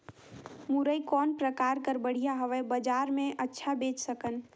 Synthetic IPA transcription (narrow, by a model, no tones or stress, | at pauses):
muɾəikɔnpɾəkaɾkəɾbəɽ̤ijaɦəʋɛbəd͡ʒaɾmeʔətːʃʰabet͡ʃsəkən